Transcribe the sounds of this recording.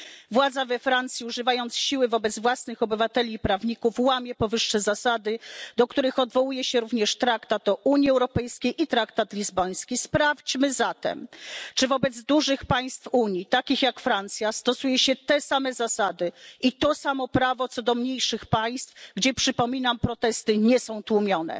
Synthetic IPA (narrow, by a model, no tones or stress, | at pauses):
vwad̪zavɛfɾant̪sʲjiuʐɘvajɔnt̪sɕiwɘvɔbɛd̪zvwasnɘxɔbɘvat̪ɛlʲiːpɾavɲikufwamʲjɛpɔvɘʂːɛzasad̪ɘd̪ɔkt̪uɾɘxɔd̪vɔwujɛɕɛɾuvɲɛʂt̪ɾakt̪at̪ɔʔuɲiɛwɾɔpɛjskʲejʔit̪ɾakt̪at̪lʲizbɔj̃skʲispɾaft͡ɕmɘzat̪ɛ̰mt͡ʂɘvɔbɛd̪zd̪uʐɘxpaj̃st̪fuɲit̪akʲixjakfɾant̪sʲjast̪ɔsujɛɕɛt̪ɛsamɛzasad̪ɘit̪ɔsamɔpɾavɔt̪sɔd̪ɔmɲejʂɘxpaj̃st̪fɡd͡ʑɛpʂɘpɔmʲinampɾɔt̪ɛst̪ɘɲɛsɔ̃w̃t̪wumʲjɔnɛ̰